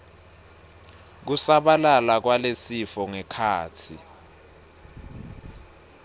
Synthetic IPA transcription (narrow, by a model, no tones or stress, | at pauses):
k̬usaɓalalak̬walesifɔŋɛkʰaːt͡sʰi